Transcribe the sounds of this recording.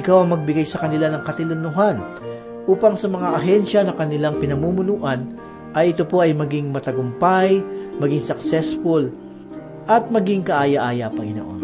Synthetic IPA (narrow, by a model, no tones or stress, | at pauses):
ʔɪkawɐŋmɐɡ̚bɪɡajsɐkɐnɪlanɐŋkɐt̪ɪlʊnʊɦan | ʔuːpɐŋsɐmɐŋaʔɐɦɛnʃɐnɐkɐnɪlaŋpɪnɐmumʊnuːʔɐn | ʔɐjʔɪt̪o̞po̞ʔɐjmɐɡiŋmɐt̪ɐɡʊmpajmɐɡiŋsɐk̚sɛsfʊl | ʔɐt̪̚mɐɡiŋkɐʔaːjɐʔaːjɐpɐŋɪno̰ːʔo̰n